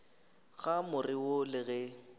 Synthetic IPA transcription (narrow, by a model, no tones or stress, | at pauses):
ɣamʊrɪwʊlɪɣɛ